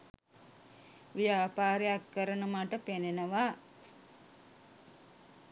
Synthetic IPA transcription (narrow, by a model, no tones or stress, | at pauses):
ʋijaːpaːɾejakːəɾənəmaʈəpenenəʋa